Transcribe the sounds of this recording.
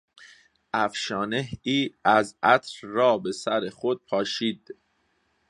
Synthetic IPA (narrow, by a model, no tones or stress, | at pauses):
ʔæfʃɒːneɦiːæzʔæt̪ʰɾːɒːbe̞sæɾeχod̪̥̚pʰɒːʃiːd̪̥